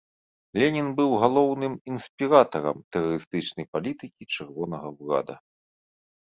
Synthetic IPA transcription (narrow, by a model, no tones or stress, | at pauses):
lʲɛnʲinbɨwɣalˠɔwnɨminsʲpʲiɾat̪ɐɾɐ̰mt̪ɛrɐɾɨst̪ɨt͡ʂnɐjpalʲit̪ɨkʲit͡ʂɛrvɔnɐɣɐwla̰d̪ɐ̰